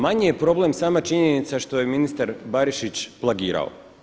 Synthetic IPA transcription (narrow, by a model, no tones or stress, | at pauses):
maɲije̞pɾo̞ble̞msaːmat͡ʃiɲenit̪saʃt̪o̞je̞minist̪aɾbaɾiʃit͡ɕplˠaɡiːɾa̰o̰